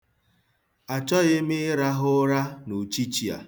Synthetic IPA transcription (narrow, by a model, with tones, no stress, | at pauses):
a˨t͡ʃɔ˦ɣɪ˦m˦ɪ˦ɾa˦ɦʊ˦ɾa˦nu˨t͡ʃi˦t͡ʃi˨a̰˨